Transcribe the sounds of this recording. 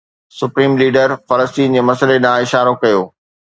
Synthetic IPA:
sʊpɾiːmliːɖəɾfɐləstiːnd͡ʑeːmɐsəleɗãɪʃaːɾokɐjoː

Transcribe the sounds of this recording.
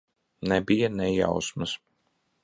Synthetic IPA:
nɛbijanɛja̰wsmɨs

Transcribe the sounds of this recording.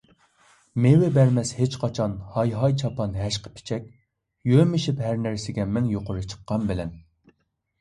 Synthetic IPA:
mewɪbɛɾmɛshet͡ʃqʰɑt͡ʃʰɑnhɑjɦɑjt͡ʃʰɑpʰɑnɦɛʃqʰə̥pʰɪ̥t͡ʃʰɛk̚ʲ | jømɪʃipɦæɾnæɾsɪɡʲɛmɛŋjoqʊɾɨt͡ʃʰə̥qʰːɑnbɪlɛn

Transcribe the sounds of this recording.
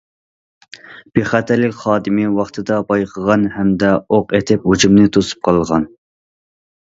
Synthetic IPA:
b̥eχæt̪ʰæɾlɪkʲχɑːd̪ɨmɪwɑχt̪ʰɨd̪ɑbɑjqʰəʁɑnhɛmd̪ɛoqet̪ʰɪphud͡ʒumnɨt̪ʰosu̥p̚qʰɑlˠʁɑn

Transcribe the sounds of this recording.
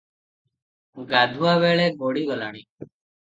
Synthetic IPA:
ɡaːd̪ʱuaːʋeːɭeɡoːɽiːɡɔlaːɽ̃iː

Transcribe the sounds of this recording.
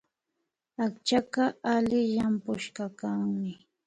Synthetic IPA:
akt͡ʃakaalɪʎampʊʃkɑkaŋmɪ

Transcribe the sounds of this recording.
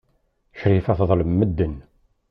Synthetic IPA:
çɾifæθðˤləmːəd̪ːən

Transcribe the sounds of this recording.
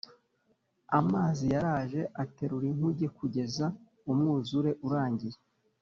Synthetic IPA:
amaːzijaɾaːʒe̞ʔate̞ɾuɾiŋ̥uɟekuɟe̞za | umŋuːzuɾe̞ʔuɾaːɲɟiɾe

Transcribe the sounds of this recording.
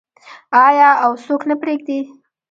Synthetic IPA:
ɑjɑawsoknapɾeɡd̪i

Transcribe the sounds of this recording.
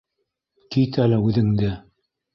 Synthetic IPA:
kit̪ælɘʉðɘ̆ŋd̪ɘ

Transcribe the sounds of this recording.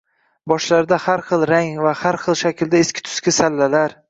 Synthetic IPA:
bɒʃlaɾd̪ahaɾχɨlˠɾaŋvahaɾχɨlˠʃakʲɪld̪aeskʲɪ̥t̪ʰʊ̥skʲɪsalːalaɾ

